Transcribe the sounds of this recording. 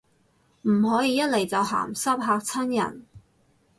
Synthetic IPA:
m̩˨˩ɦɔː˨˥jiː˧jɐ˥t̚le˨jt͡sɐ˨˧wha̰ː˨˩msɐ˥p̚ɦaː˧k̚t͡sʰɐ˥njɐ̰˨˩n

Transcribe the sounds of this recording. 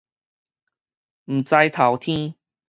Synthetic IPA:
m̩˨˩t͡sa˧jt̪ʰa˨˦wt̪ʰĩ˦

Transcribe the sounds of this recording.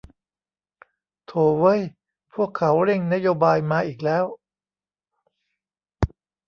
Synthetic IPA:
t̪ʰoː˧˩wɤː˦˥j | pʰu˥˩əkʰːa˩˦˥wɾe˥˩ŋna˦˥joː˧baː˧jmaː˧ʔiː˨˩k̚lɛː˦˥w

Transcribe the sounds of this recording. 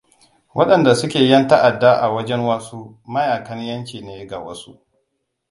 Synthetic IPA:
wʔɐ˦ɗɐ˨nda˨sʊ˦kʲeː˨jɐ˦nta˦ʔa˨dːa˦ʔa̰˨wɐ˦d͡ʒɛ˦ŋwaː˦suː˦ | mɐ˦jaː˨kɐ˦njɐ˦nt͡ʃʲiː˨neː˦ɡa̰˨wɐ˦su˦ʔ

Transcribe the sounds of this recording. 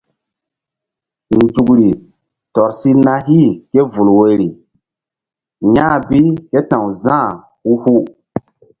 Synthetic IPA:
n̩˨d͡ʒu˨kɾi˨ | tɔ˨ɾsi˦na˦ɦi˦˨ke˦vu˨lwe˨ɾi˨ | ɲã˦˨bi˦ke˦tã˨wzã˦˨ | u˦hu˦

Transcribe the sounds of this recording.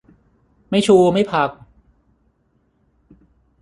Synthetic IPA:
ma˥˩jt͡ɕʰuː˧ma˥˩jpʰa˧k̚

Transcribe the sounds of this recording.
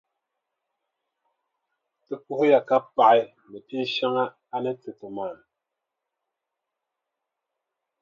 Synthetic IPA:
tɨ˦pu˦ho˦ja˨ka˦pa˨i˨ | mɛ˨pi˦ʃa˦ŋa˦ | a˦nɛ˦tɨ˨tə˨maː˨n

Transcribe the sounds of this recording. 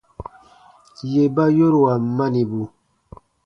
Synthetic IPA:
je˨ba˦jo˦ɾwa˨ma˦ni˨bu˨

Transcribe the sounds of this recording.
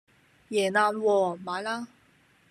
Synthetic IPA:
jɛ˨˩na˥˧˨lwɔ˥˧ma˨˧˦la˥˦

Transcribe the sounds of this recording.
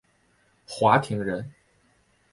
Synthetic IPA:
xwa˧˥t̪ʰi˧˥ŋɻə˧˥n

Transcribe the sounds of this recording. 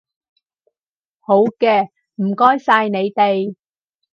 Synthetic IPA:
ho˨˧˥wkɛː˧ | m̩˨˩kɔː˥jsaː˧jne˨˧jt̪e˨j

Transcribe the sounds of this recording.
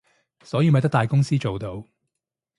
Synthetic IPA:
sɔː˨˥jiː˨˧m˨jt̪ɐ˥kt̪aː˨jkʊ˥ŋsiː˥t͡ʃo˨wt̪o˧w

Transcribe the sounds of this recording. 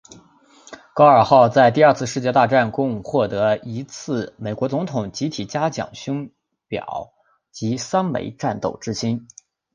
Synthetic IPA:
kɑ˥ʊə˞˨˩xɑ˥˧ʊt͡sa˥˧ɪt̪̬i˥˧˥t͡sʰɹ̩˥˧ʂɻ̩˥˧t͡ɕjɛ˥˧t̪a˥˧ʈ͡ʂa˥˩nkʊ˥ŋxwɔ˥˩t̪ɤ˧˥i˧˥t͡sʰɹ̩˥˩me˨˩ɪkwɔ˧˥t͡sʊ˧˥ŋt̪ʰʊ˨˩ŋt͡ɕi˧˥t̪ʰi˨˩t͡ɕja˥t͡ɕjɑ̰˨˩ŋɕʊ˥ŋ | pjɑ̰˨˩˦ʊ | t͡ɕi˧˥sa˥nmḛ˧˥ɪʈ͡ʂa˥˩nt̪o˥˩ʊʈ͡ʂɻ̩˥ɕi˥n

